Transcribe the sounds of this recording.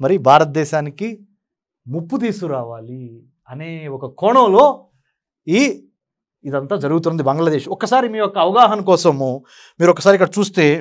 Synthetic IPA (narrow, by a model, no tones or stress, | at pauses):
mɐɾibʱaːɾɐt̪̚d̪ɛːʃaːniki | mupːut̪̬iːsuɾaːʋaːli | ɐne̞ːɔkɐkɔːɳɐːlo̞ː | i | id̪ɐnt̪aːd͡ʒɐɾuɡut̪̬unːɐnd̪ibɐŋɡlɐd̪eːʃɔkːɐsaːɾimiːjɔkːɐːʋɐɡaːɦɐnɐkɔːsɐmu | miːɾuɔkːɐsaːɾikːɐɽɐt͡ʃuːst̪e̞ː